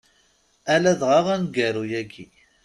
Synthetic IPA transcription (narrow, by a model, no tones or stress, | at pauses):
ælæðʁaʁænɡæɾujæɡi